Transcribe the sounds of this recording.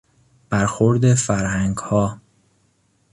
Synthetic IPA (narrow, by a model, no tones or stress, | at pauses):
b̥æɾxoɾd̪efæɾhæŋɡhɒː